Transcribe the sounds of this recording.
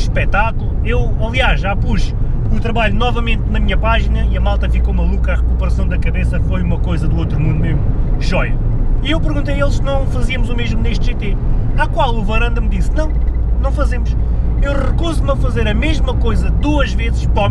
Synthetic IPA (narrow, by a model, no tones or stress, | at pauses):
ʃpɛt̪akulˠu | ewɐlˠiaʒʒapuʃ | ut̪ɾɐβaʎunɔvɐmẽnt̪̚nɐmiɲɐpaʒinɐiɐmalˠt̪ɐfikowmɐlˠukaʁɨkupɨɾɐsɐ̃w̃d̪ɐkɐβesɐkfojumɐkojzɐd̪uot̪ɾumũd̪umeʒmuʒɔjɐiewpɨɾɣũnt̪ejelˠʃsnɐ̃w̃fɐziɐmuzumeʒmuneʃt̪ʒ̥et̪eakwalˠuvɐɾɐ̃nd̪ɐmd̪isnɐ̃w̃nɐ̃w̃fɐzemuʃewʁɨkuzumɐfɐzeɾɐmeʒmɐkojzɐd̪uɐʒvezʃpɔ